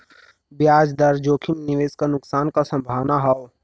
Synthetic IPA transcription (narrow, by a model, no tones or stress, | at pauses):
bjaːd͡ʒd̪ɐɾd͡ʒoːkʰɪmnɪʋeːskanʊksaːnkasɐ̃mbʱaːʋnaɦao